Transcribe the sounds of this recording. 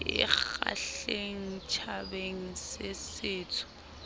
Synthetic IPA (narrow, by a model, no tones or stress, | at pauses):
ɪ̰a̰ɬeŋ̩t͡ʃʰabeŋ̩sɪsɪːt͡sʰʊ̥